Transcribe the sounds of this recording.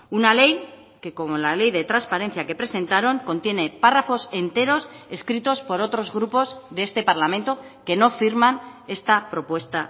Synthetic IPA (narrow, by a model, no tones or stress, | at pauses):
unale̞j | ke̞ko̞mo̞lale̞jðe̞t̪ɾanspaɾe̞n̟θjake̞pɾe̞se̞nt̪aɾo̞ŋko̞nt̪je̞ne̞parafo̞se̞nt̪e̞ɾo̞se̞skɾit̪o̞spo̞ɾo̞t̪ɾo̞zɣ̞ɾupo̞zðe̞est̪e̞paɾlamẽnt̪o̞ke̞no̞fiɾmane̞st̪apɾo̞pwe̞st̪a